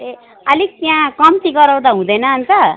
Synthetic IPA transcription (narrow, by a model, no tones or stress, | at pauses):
e | ʌlikjãkʌmt̪iɡʌɾaw̃d̪aɦũd̪ʌjnʌːnt̪ʌ